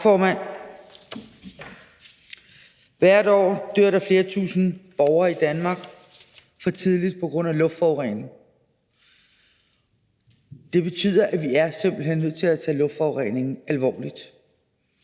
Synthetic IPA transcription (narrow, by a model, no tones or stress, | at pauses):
fɒːmæn̰ | ʋæɐ̰ɾ̥ɒ̰ːd̥øɐ̰ɾ̥ɑ̈fle̝ːɐt͡sʰṵːsn̩b̥ɒʊɐid̥ænmɑ̈ːɡ̥ | fɒ̽t͡sʰið̞ˠlid̥̚pʰɒ̽ɡ̥ʁɔ̽n̰ælɔ̽fd̥fɒʊʁɛne̝ŋ | d̥e̝b̥e̝t͡sʰy̰ːð̞̰ˠɐʔæʋiæɐsem̰b̥l̩ɦenːøð̰ˠt͡sʰe̝læt͡sʰɛ̰ːlɔ̽fd̥fɒʊʁɛne̝ŋn̩ælʋɒ̰ːlid̥